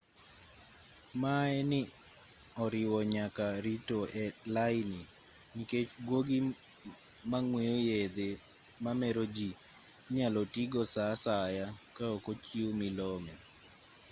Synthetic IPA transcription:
maɛnɪ | ɔɾɪwɔɲakaɾitoɛlaɪnimiket͡ʃɡwoɡi | maŋweojed̪emamɛɾod͡ʒi | ɲalɔtiɡɔsasajakaɔkot͡ʃiomɪlɔmɛ

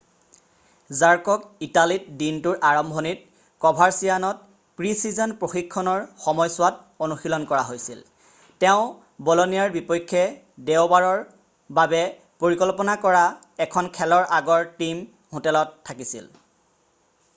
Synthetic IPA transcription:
zaɹkɔkitalit̚dintʊɹʔaɹɔmbʱɔnit̚ | kɔbʱaɹsijanɔt̚ | pɹisizɔnpɹoxikʰːɔnɔɹxɔmɔjsʊwat̚ | onuxilɔnkɔɹaɦojsḭl | tɛʊ̃ | bɔlonijaɹbipɔjkʰːɛ | dewbaɹɔɹ | babɛ | poɹikɔlpɔnakɔɹa | ɛkʰɔnkʰɛlɔɹʔaɡɔɹtim | hʊtɛlɔtʰːakisḭl

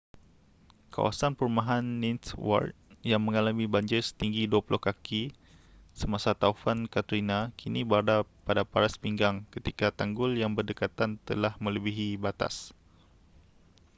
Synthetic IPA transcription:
ka̰wa̰sanpəɾumaɦanːinswa̰rt̪̚jaŋməŋalamibaɲd͡ʒɪrsə̥t̪iŋɡiduapulʔʊhkakʰi | səmasat̪aufankat̪əɾinakʰinibardapadapaɾaspiŋɡaŋkət̪ikat̪aŋɡʊljaŋbərdəkat̪ant̪əlahmə̃ləbiɦibat̪a̰s

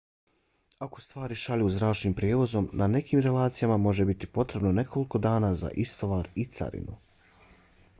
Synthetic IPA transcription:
ako̞̥st̪ʋaːɾiʃaʎuzɾaːt͡ʃniːmpɾʲjeːʋo̞zo̞mnʔane̞kiːmɾe̞laːt̪sijamamo̞ʒe̞bit̪ipo̞t̪ɾe̞bno̞ne̞kʰo̞liko̞d̪aːnaːza̰ʔist̪o̞ʋaːɾit̪sa̰ɾḭnu

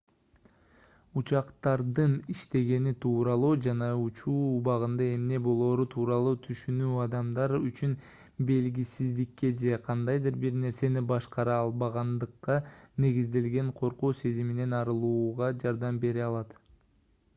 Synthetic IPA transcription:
ut͡ʃɑqt̪ɑɾd̪ɯniʃt̪e̞ɡe̞nit̪ʰuːɾɑlˠuːd͡ʒɑnɑut͡ʃuːuβɑʁɯnd̪ɑe̞mne̞bo̞lˠo̞ːɾut̪ʰuːɾɑlˠuːt̪ʰyʃynyːɑd̪ɑmd̪ɑɾyt͡ʃyn | be̞lɡʲisizd̪ikːe̞d͡ʒe̞qʰɑnd̪ɑjd̪ɯɾbiɾne̞ɾse̞nibɑʃqɑɾɑːlˠbɑʁɑnd̪ɯqːɑne̞ɡizd̪e̞lɡe̞ɴqʰo̞ɾquːse̞zimine̞nɑɾɯlˠuːʁɑd͡ʒɑɾd̪ɑmbe̞ɾiɑlˠɑt̪

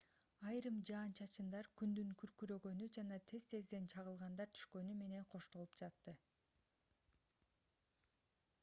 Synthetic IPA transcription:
ɑjɾɯmd͡ʒɑːnt͡ʃʰɑt͡ʃɯnd̪ɑɾkynd̪yŋkʰyɾkyɾø̞ɡø̞nyd͡ʒɑnɑt̪ʰe̞z̥t̪ʰe̞zd̪e̞nt͡ʃʰɑʁɯlˠʁɑnd̪ɑɾt̪ʰy̥ʃkø̞nyme̞ne̞nqʰo̞ʃt̪o̞lˠupd͡ʒɑt̪ːɯ

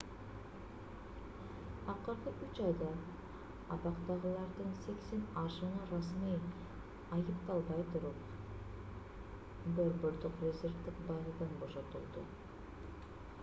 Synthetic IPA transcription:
ɑqɯɾqɯʔyt͡ʃɑjd̪ɑː | βɑqt̪ɑʁɯlˠɑɾd̪ɯnse̞ksenɑʃɯnɯɾasmij | ɑjɯpt̪ɑlˠbɑjt̪uɾup̚ | boɾbøɾd̪oqrʲezʲe̞rvd̪ikbɑʁɯd̪ɑnbo̞ʃo̞t̪ulˠd̪ṵ

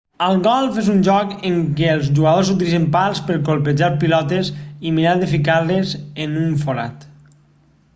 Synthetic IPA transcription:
əlˠɡɔlˠfezunʒɔkəŋkeːlˠzʒuɣaðoz̬ut̪̬ilizempalˠspəɾkolˠped͡ʒalˠpilɔt̪esiminad̪efikaɾlezenuɱfoɾa̰t̪

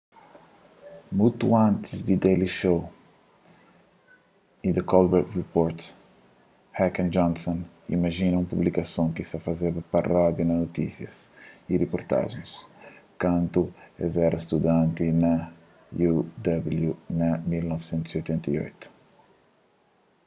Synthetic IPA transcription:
mut̪uãnt̪izd̪id̪eliʃow | id̪ɐkɔlbɛɾt̪ripoɾt̪ | hɛkɐ̃nd͡ʒɔ̃nsɔ̃n | ḭmɐʒĩnɐũmpublikɐsõŋkisɐfɐzeɾpɐpɐrɔd̪ɐnɐnot̪isjɐsiɾepoɾt̪a̰ʒẽj̃skɐ̃nt̪uezɛɾʔɐst̪ud̪ãnt̪inɐ | jud̪ɐbljunɐmilnɔvsẽnt̪uziojt̪ẽnt̪ɐio̰jt̪u̥

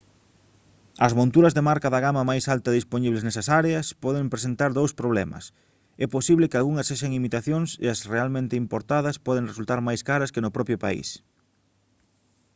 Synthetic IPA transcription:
ɐzmõnt̪uɾɐzðemaɾkɐðɐɣamɐmajsalt̪ɐðisponiβleznɛsɐsaɾeɐspɔðempɾesent̪aɾðowspɾoβ̞lɛmɐ̰s | ɛposiβlɪkɪalɣuŋɐsseʃɐŋimit̪aθjoŋsḛɐsrealmẽnt̪ɪimpoɾt̪aðɐspɔðeŋresult̪aɾmajskaɾɐskɪnʊpɾɔpɾjʊpa̰ḭs

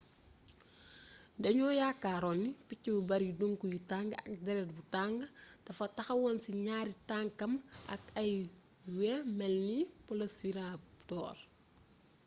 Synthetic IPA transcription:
dɐɲɔːjakːaːɾɔnːipicːibubɐɾjiduŋkujitaŋɡɐ̰k̚dɛɾɛt̚butaŋɡtɐfɐtɐxɐwɔnsiɲaːɾitaŋkɐmɐ̰kɐj | wɛmɛlnipɔlɐsiɾatɔːr

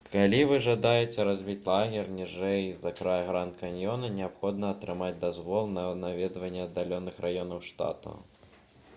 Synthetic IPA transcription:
kalʲivɨʐɐd̪ajɛt͡sʲɛɾazʲvʲit͡sʲlˠaɣʲɛrnʲiʐɛjzɐkɾajɣɾant̪kanʲjɔnɐnʲɛapxɔd̪nɐːt̪ɾɨmad͡zʲd̪azvɔlˠnɐnavʲɛd̪vɐnʲːɛɐd̪ːalʲɔnɨxrʔajɔnɐwʂt̪a̰t̪ɐ̰

